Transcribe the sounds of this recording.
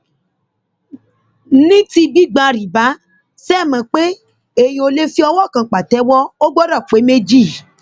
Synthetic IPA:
nĩ˦ti˧bi˦˨ɡ͡ba˧ɾi˨ba˨˦ | sɛ˦˨mã˨k͡pe˦ | e˦˨j̃ĩ˧o˧le˦fi˦ɔ˧wɔ˦˨kã˨k͡pa˨tɛ˨˦wɔ˦o˦ɡ͡bɔ˦ɾa˦˨fu˨e˨˦me˦d͡ʒi˦˨

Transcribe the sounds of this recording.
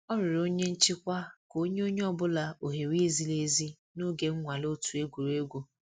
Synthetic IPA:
ɔ˦ɾɪ˨ɾo˦ɲe˦n̩˦t͡ʃɪ˦kʷa˦ko˦ɲe˦o˦ɲe˦ɔ˦bʊ˦la˨o˨ɦe˨wi˦zi˦le˦zi˦ | no˦ɡe˦ŋ̩˦ŋʷa˨lo˦tu˨e˦ɡʷu˨ɾe˦ɡʷo˦

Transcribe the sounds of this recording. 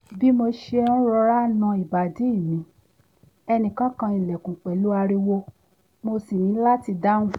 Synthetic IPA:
bi˦mo˧ʃe˧ũ˦ɾɔ˧ɾa˦˨nã˧i˨ba˨di˨˦i˦˨mĩ˨˦ | ɛ˧nĩ˨kã˦kã˧i˨lɛ˨kũ˨k͡pɛ˨lu˦a˧ɾi˧wo˧ | mo˧si˨jĩ˨˦la˦ti˧da˦ũ˦

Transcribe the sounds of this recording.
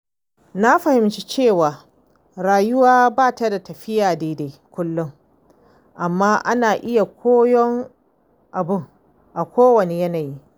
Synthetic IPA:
na˦ɸɐ˨hɪ˨mt͡ʃi˦t͡ʃeː˦˨waː˨ | ɾaː˨jʊ˦waː˦baː˦˨ta˦da˨tɐ˨ɸɪ˦jaː˨deː˨˦da˨˦kʷʊ˦lːʊ˦ŋ | ʔa˨mːaː˦ʔa˦naː˨ʔɪ˦ja˨kʷʰoː˦jɔ˦ŋ | ʔa˨bʊ˦ŋ | ʔa˨kʷʰoː˦wɐ˨ne˨jɐ˦naː˨ji˦

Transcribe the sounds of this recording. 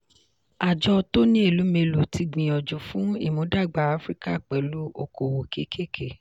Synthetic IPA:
a˨d͡ʒɔ˧to˦nĩ˦e˦˨lu˨˦me˧lu˨ti˧ɡ͡bĩ˨ɔ˨d͡ʒu˨fũ˨˦ḭ˦˨mõ˨˦da˦˨ɡ͡ba˨˦a˦fɾi˦ka˦˨k͡pɛ˨˦lu˦o˧˨ko˨wo˨ke˦kʰe˦˨kʰe˦˨

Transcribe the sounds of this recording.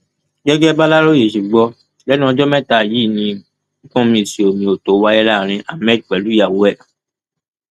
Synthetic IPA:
ɡɛ˦ɡɛ˦ba˦la˦ɾo˦je˨ʃu˨ɡ͡bɔ˧ | lɛ˨˦nũ˦ɔ̃˧d͡ʒɔ˦mɛ̃˦˨ta˧˨ji˦˨nĩ˧ | ĩ˦kɔ̃˦mĩ˧˨si˨o˨mĩ˨o˨to˨˦wa˧jɛ˦la˦˨ɾ̃ĩ˧ʔa˨mɛ˦˨d̚k͡pɛ˨lu˨˦ja˨wo˨˦ɛ˦˨

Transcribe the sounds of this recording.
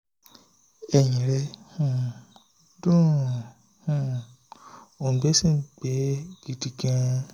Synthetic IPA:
ɛ˨jĩ˨ɾɛ˧˦hũ˦˨ | dũ˦˨ | hũ˦˧˨ | o˨ɡ͡be˨˦sĩ˦˨ɡ͡bɛ˨˦ɡ̥i˨˦ti˧kĩ˦˧

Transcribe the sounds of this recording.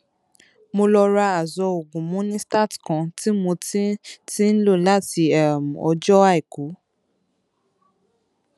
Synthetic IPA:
mo˧lɔ˧ɾa˧a˨zɔ˧o˨ɡũ˨mũ˦nĩ˦sta˦˨tkã˧˦ti˦mo˧ti˦tĩ˦n̩˦lo˦˨la˦ti˧ɛ˦˨m˨ɔ̰˧˦d͡ʒɔ˦a˦i˨ku˨˦

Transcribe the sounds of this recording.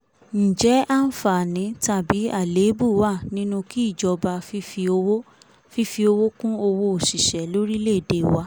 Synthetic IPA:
n̩˨d͡ʒɛ˨˦a˦n̩˦˨fa˨nĩ˨˦ta˦˨bi˨˦a˦˨le˨˦bu˦wa˦˨nĩ˦nũ˧ki˦i˦˨d͡ʒɔ˧ba˧˦ | fi˧fi˧o˧wo˦kũ˦o˧wo˦o˨ʃi˨ʃɛ˨˦lo˦ɾi˦le˦˨de˨wa˧˦

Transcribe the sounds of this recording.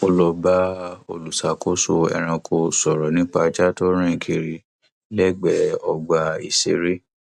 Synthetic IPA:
o˧lɔ˧ba˦o̰˧˨lu˨sa˨ko˦so˧ɛ̰˧ɾ̃ã˧kʰo˧sɔ˨ɾɔ˨nĩ˦k͡pa˧t͡ʃa˦to˦ɾ̃ĩ˦˨kʰi˧ɾi˧ | lɛ˦˨ɡ͡bɛ˧ɔ˧ɡ͡ba˧i˧se˧ɾi˦

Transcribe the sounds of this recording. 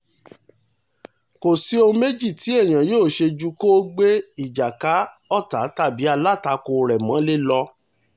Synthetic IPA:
ko˨si˦o˧me˦d͡ʒi˦˨ti˨˦ɛ˦˨j̃ã˨joː˦˨ʃe˧d͡ʒu˦ko˦ɡ͡be˦i˦˨d͡ʒa˨ka˨˦ | ɔ˦˨ta˨˦ta˦˨bi˨˦a˧la˦˨ta˧ko˧˨ɾɛ˨mã˨˦le˦lɔ˧

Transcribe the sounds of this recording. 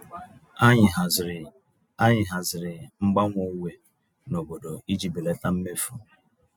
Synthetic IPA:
a˦ɲ˨ɦa˨ | a˦ɲɪ˨ɦa˨zɪ˨ɾɪ˨ŋ͡m̩˦ɡ͡ba˦ŋʷo˦˨˦we˦ | no˨bo˨do˨i˦d͡ʒi˨bi˨le˦ta˦m̩˦me˦fu˨

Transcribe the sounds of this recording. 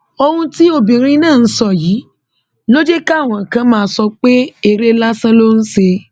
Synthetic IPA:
o˧hũ˧ti˦o˦˨bĩ˨ɾĩ˧˦nãː˦˨˦sɔ˦˨jiː˨˦ | lo˦d͡ʒe˦ka˦˨w̃ɔ̃˨kã˧mãː˦˧˦sɔ˧k͡pe˦e˦˨ɾe˦la˦sã˦lo˦n̩˦se˧

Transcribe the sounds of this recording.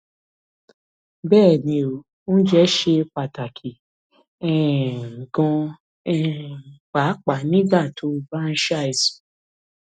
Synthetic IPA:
bɛː˦˨nĩ˧˨o˨ | nũ˦d͡ʒɛ˦ʃe˧pa˨ta˨kʰi˨ | ɛ˦˨ɡɔ̃˧ | ɛ˦˨k͡pa˨˦k͡pa˨nĩ˦ɡ͡ba˦˨tʰo˨˦fɾã˦n˦ʃa˦i˨s

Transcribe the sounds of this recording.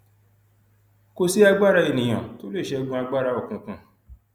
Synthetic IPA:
ko˧si˦a˧ɡ͡ba˦ɾa˧e˨nĩ˨j̃ã˨to˦le˦˨ʃɛ˧˦˧ɡũ˧˦a˧ɡ͡ba˦˨ɾa˧ɔ˦˨kũ˨kũ˨

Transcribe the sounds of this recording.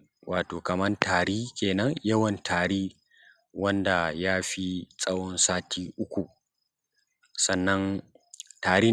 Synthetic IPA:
waː˨toː˨kɐ˨mɐ˦rtaː˨ɽiː˦kʲeː˨nɐ˦ŋjɐ˦wɐ˨ntʰaː˨ɾiː˦ | wɐ˦nda˨jaː˦ɸi˦sʼɐ˦wɔ˦nsaː˦tʰiː˦ʔʊ˦kʷu˨ | sɐ˦˨nːɐ˦n | taː˨ɾiː˦

